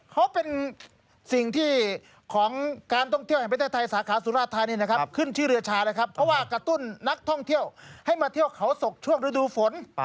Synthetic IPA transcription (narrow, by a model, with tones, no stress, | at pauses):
kʰa˦˥wpe˧n | si˨˩ŋt̪ʰiː˥˩ | kʰɔː˩˦ŋkaː˧nt̪ʰɔ˥˩ŋt̪i˥˩whp̪ʰeː˥˩t̪ʰa˧jsaː˩˦kʰaː˩˦suː˨˦ɾaː˥˩t̪ʰːaː˧niː˧˩na˥˩kʰa˦˥p̚kʰɯ˥˩nt͡ɕʰɯː˥˩ɾɯ˧ɐt͡ɕʰaː˧naː˦˥˩kʰa˦˥pʰːɔ˦˥waː˥˩kɾa˧t̪u˥˩nːa˦˥k̚t̪ʰɔ˥˩ŋt̪ʰi˥˩əwha˥˩jmaː˧t̪ʰi˥˩əwkʰa˩˥wso˨˩k̚t͡ɕʰu˥˩əŋɾɯ˧˦˥duː˧fo˩˦n